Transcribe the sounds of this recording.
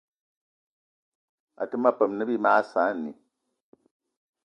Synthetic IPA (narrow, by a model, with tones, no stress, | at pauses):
a̰˨tɨ˦ma˦pə˨mnɨ˦bi˦maː˦saː˨˦˨nḭ˨